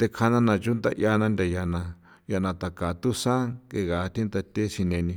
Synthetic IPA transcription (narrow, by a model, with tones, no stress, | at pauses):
t̪e˧kʰa˧nã˧nã˧˨t͡ʃu˦nd̪a̰˧ʔja˧nã˧nd̪ʲa˨ja˨nã˧ | ja˧nã˧t̪a˨ka˨t̪u˦sã˦ke˧ɣa˨˦˧t̪ĩ˦t̪a˧t̪e˦si˧nẽ˧nĩ˧